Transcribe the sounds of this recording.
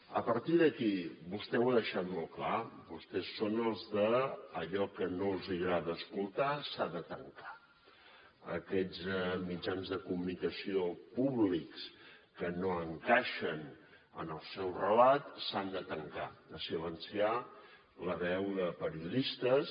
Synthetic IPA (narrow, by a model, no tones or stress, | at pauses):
əpəɾt̪iðəkibust̪ɛwəðəʃat̪molˠklabust̪ɛsːonəlˠzðəːʎɔkənolˠziɣɾaðəːskulˠt̪asaðət̪əŋkḁ | ə̰kɛzmid͡ʒanzðəkumunikəsiopuβlikskənoəŋkaʃən | ə̰nəlˠsɛwrəlat̪sand̪ət̪əŋkad̪əsilənsia | ləβɛwðəpəɾiuðist̪əs